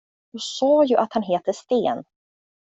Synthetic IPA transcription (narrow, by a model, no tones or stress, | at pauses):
d̪ɵsɑːjɵʔat̪hanɦeːt̪əʂt̪eːn